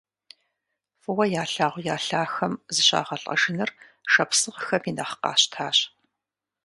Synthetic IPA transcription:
fɨwɐjaːɬaːʁʷʊjaːɬaːxɐmzɨɕa̰ːʁɐɬʼɐ̰ʂɪnɐr | ʃɐpsɨʁxɐpʰinɐχə̥qɑ̰ːɕtʰaːɕ

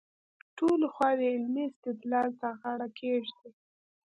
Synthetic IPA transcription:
ʈolxwɑd̪əɪlmiɪst̪ɪd̪lɑlt̪aɣaɽakʰeʒd̪i

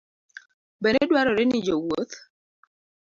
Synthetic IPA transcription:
bɛedwaɾɔɾɪnɪd͡ʒowot̪

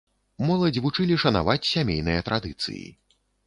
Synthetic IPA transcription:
mɔlˠɐd͡zʲvut͡ʂɨlʲiʂɐna̰vat͡sʲsʲamʲejn̪ɨjɐt̪ɾad̪ɨt̪sɨ̰jḭ

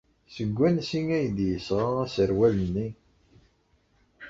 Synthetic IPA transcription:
səɡʷːænsiŋæjəd̪jəsʁaæsəɾwælənːi

